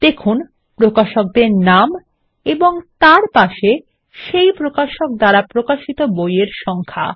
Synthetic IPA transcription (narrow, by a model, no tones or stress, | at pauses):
d̪̥ekʰun | pɾokaʃok̚d̪eɾnam | eboŋt̪aɾpaʃe | ʃejpɾokaʃok̚d̪aɾapɾokaʃit̪obojeɾʃɔŋkʰa̰